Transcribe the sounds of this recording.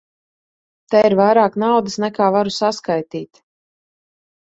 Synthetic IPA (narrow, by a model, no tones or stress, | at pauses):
t̪ɛiɾvajɾaːknawd̪əsnɛkaːvaɾusaskajt̪iːt̪